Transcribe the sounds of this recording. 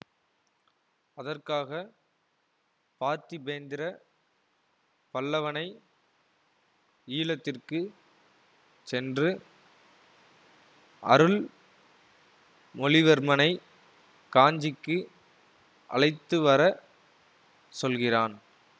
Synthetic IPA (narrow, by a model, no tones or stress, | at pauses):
ɐðɐrkaːɣɐ | paːɾt̪ibeːnd̪ɪɾɐ | pɐlːɐʋɐnɐɪ | iːlɐt̪ːɪrkɯ | sɛndrɯ | ɐ̰ɾɯɭ | mɔɭɪʋɐɾmɐnɐɪ | kaːɲd͡ʒɪkːɯ | ʔɐ̰lɐɪt̪ːɯʋɐɾɐ | sɔlɣɪraːn